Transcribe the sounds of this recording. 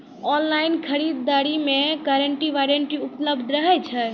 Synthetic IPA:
ɔnlainkʰəɾid̪ːaɾimekaɾəɳʈiʋaɾənʈiupləbd̪ʱɾəɦɛt͡ʃʰɛ

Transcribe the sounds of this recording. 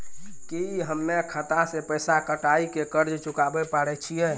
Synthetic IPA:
ikiiɦəmːekʰət̪asepəjsakəʈaikekəɾd͡ʒt͡ʃukabɛpaɽɛt͡ʃʰijɛ

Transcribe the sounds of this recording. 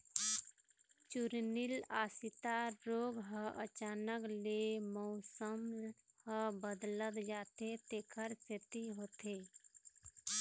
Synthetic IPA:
t͡ʃuɾnilaːsit̪aɾoːɡɦəʔət͡ʃaːnəklemɔʊsəmhəbəd̪lət̪d͡ʒaːt̪et̪eːkʰəɾt͡ʃet̪iɦot̪e

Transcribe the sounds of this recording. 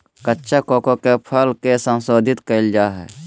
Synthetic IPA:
kətːʃakoːkokepʰəlkesə̃nsoːd̪ʱɪt̪kəɪld͡ʒaːɦɛ̰ː

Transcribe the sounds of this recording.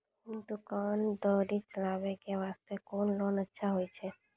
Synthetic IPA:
id̪ukand̪ɔɾit͡ʃəlaʋekeʋaːst̪ekoːnloːnətːʃʰaɦojt͡ʃʰe

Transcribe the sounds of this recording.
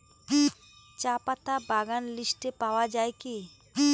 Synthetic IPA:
t͡ɕapat̪abaɡanliʃʈepaoad͡ʑaeki

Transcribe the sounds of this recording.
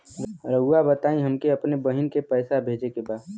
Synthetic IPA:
ɾɾəɡuabət̪aːĩɦəmkeəpnebəɦɪnkepəːsabʱeːd͡ʒekebaːd̪

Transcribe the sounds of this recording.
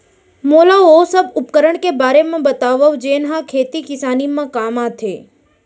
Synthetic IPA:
molaosəbʊp̚kəɾəɳkebaɾemãbət̪aʋəʋd͡ʒenɦãkʰet̪ikɪsanimãkamãt̪ʰe

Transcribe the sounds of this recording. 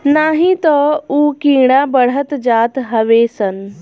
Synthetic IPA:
naɦit̪əuːkiɽ̃abəɽ̤ət̪d͡zaːt̪ɦəʋesən

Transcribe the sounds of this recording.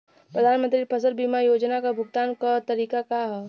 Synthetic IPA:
pɾəd̪ʱaːnmə̃nt̪ɾipʰɐs̬əɾbiːmajoːd͡ʒnakabʱʊɡt̪aːnkat̪ɐɾiːkakaɦɛː

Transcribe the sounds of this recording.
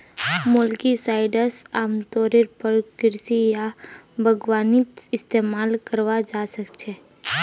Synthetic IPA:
mʊlkisaːɪɖəsaːmt̪ɔːɾeɾpəɾkɪɾsijabʱəɡwaːnɪt̪ɪst̪eːmaːlkəɾwad͡ʒaːsəkt͡ʃʰeː

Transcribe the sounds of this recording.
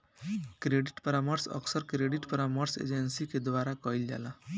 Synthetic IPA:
kɾeɖiʈpəɾaməɾsʌ̰ksəɾkɾeɖiʈpəɾaməɾsḛd͡ʒensiked̪waɾakɔild͡ʒa̰lã

